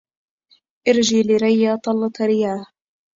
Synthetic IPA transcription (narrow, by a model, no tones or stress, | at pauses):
ʔɑɾd͡ʒiːlɪɾajːaːt̪ˤɑlːɑt̪ɾɪjaːh